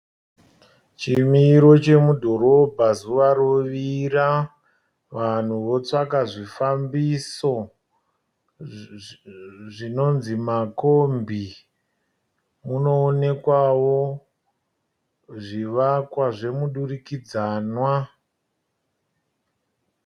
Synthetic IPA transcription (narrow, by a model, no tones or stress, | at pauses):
t͡ʃimiɾo̞t͡ʃe̞mudʱo̞ɾo̞bʱazuʋaɾoʋiɾa | ʋan̤uʋo̞t͡sakaʐifambiso̞ | ʐino̞nzimakombʱi | muno̞ːne̞kwawo | ʐiʋakwaʐe̞muɗurikid͡zaːnwa